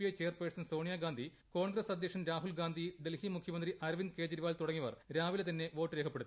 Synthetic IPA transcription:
iɐjt͡ɕeːjɐrpeːʈsɐnso̞ːɳijaːɡaːnd̪ʱi | ko̞ːɳɡɾɐsɐd̪ʱjɐkʂɐnɾaːɦulɡaːnd̪ʱiɖelhimukʰjɐmɐnd̪riʔɐɾʋinke̞ːd͡ʑɐɾiʋaːlt̪uɽɐŋːiʋɐ̰rɾaːʋilet̪ɐnːe̞ʋo̞ːʈːɨɾeːkʰɐpːeɽut̪ː

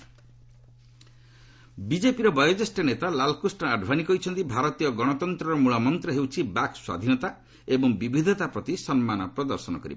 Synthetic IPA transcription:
bid͡ʒepiɾɔbɔjɔd͡ʒesʈɔnet̪alalkusʈɔaɖʱbanikɔjt͡ʃʰɔnt̪ibʱaɾɔt̪ijɔɡɔɽ̃ɔt̪ɔnt̪ɾɔɾɔmuɭamɔnt̪ɾɔɦewt͡ʃʰibakswa̰d̪ʱinɔt̪a | ebɔŋbibʱid̪ʱɔt̪apɾɔt̪isɔnmanɔpɾɔd̪ɔɾsɔnɔ̰kɔɾḭbɔ

